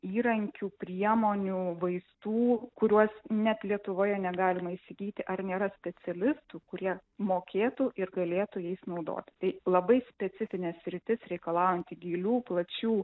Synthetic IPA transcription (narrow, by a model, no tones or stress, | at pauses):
iːɾɐŋʲkʲuːpʲɾʲiɛmoːnʲuʋɐɪst̪uːkʊɾʲuɔsnʲɛt̪lʲiɛt̪ʊʋoːjɛnʲɛɡɑːlʲɪmɐisʲɪɡʲiːt̪ʲɪʔɐɾnʲeːɾɐsʲpʲɛt͡s̪ʲɛlʲɪst̪ʊkʊɾʲiɛmoːkʲeːt̪ʊʔɪɾɡɐlʲeːt̪ʊjɛɪsnɐʊd̪o̰ːt̪ʲɪ̥t̪ɐɪlˠɐbɐɪsʲpʲɛt͡s̪ʲɪfʲɪnʲɛssʲɾʲɪt̪ʲɪsɾʲɛɪkɐlˠɑːjɛnʲt̪ʲɪɡʲiːlʲuːplˠɐt͡ʃʲuː